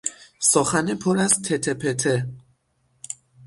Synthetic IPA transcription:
sɒːxænepʰoɾæzt̪ʰet̪ʰepʰet̪ʰe

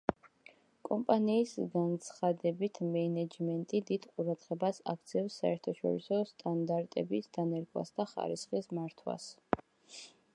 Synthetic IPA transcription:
kʼɔmpʼaniːsɡant̪sʰχad̪ɛbit̪ʰmɛnɛd͡ʒmɛnt̪ʼid̪id̪̥qʼuɾad̪ʁɛbasak̚ʰt̪sʰɛfsːaɛɾt̪ʰaʃɔ̰ɾḭsɔst̪ʼand̪aɾt̪ʼɛbisd̪̥anɛɾɡʼwa̰sd̪aχa̰ɾḭsχismaɾt̪ʰwa̰s

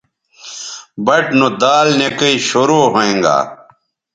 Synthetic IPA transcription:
bɐʈnod̪aːlnekɐiɕoɾoːɦoẽːŋɡa̰ː

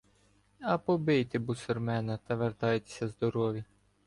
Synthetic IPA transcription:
ɐpɔbɪjt̪ɪbusɔrmɛnɐt̪ɐʋert̪ɑjt̪e̥sʲɐzd̪ɔɾɔʋʲi

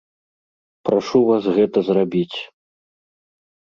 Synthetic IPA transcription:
pɾaʂuvasɣɛt̪ɐzrabʲit͡sʲ

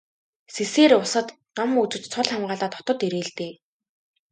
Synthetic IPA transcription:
seseːɾʊsə̆t̪ | ɢamut͡ɕɪ̆t͡ɕt͡sʰʊɮχamɢaːɮaːt̪ɔ̥t̪ɞ̆t̪eɾeːɮt̪eː

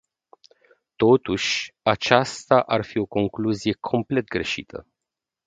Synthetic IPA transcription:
t̪o̞t̪uʃʲat͡ʃast̪aʔarfio̞ko̞ŋkluzije̞kʰo̞mple̞t̪̚ɡɾe̞ʃḭt̪ʰə̰

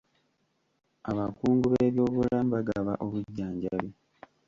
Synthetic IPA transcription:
aβakuːŋɡuβeːβjo̞ːβulamβaɡaβaʔo̞βuɟːaːɲɟali

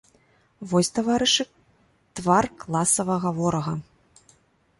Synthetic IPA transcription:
vɔsʲt̪avaɾɨʂɨ | t̪varklˠasɐvɐɣavɔɾɐɣɐ

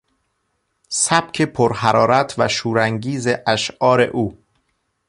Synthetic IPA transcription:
sæb̥̚kʰepʰoɾhæɾɒːɾæt̪ʰvæʃuːɾæŋɟiːzeʔæʃʔɒːɾe̞̰ʔuː

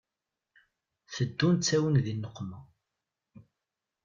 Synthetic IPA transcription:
θəd̪ːunt͡sːæwənðinːəqːmə

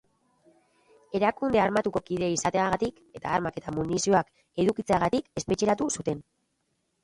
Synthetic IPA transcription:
e̞ɾakund̪eaɾmat̪uko̞kiðeisat̪e̞aɣat̪ik | e̞t̪a̰ːɾmake̞t̪amunisio̞ak | e̞ðukit͡seaɣat̪ike̞spet͡ʃe̞ɾat̪usut̪e̞n

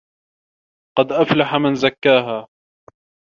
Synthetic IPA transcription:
qɑd̪ʔaflaħamɪnzakːaːɦaː

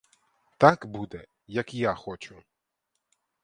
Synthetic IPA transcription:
t̪akbud̪ɛ | jɐkjaxɔt͡ʃʊ

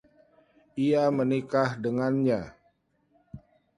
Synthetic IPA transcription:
iamənikahdəŋanɲa

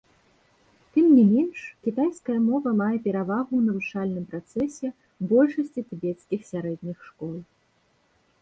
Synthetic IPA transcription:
t̪ɨmnʲimʲɛnʂkʲit̪ajskɐjɐmɔvɐmajɛpʲɛɾavaɣunɐvut͡ʂalʲnɨmpɾat̪sɛsʲɛ | bɔlʲʂɐsʲt͡sʲit̪ɨbʲɛt̪skʲixsʲaɾɛd̪̚ʲnʲixʂkɔlˠ

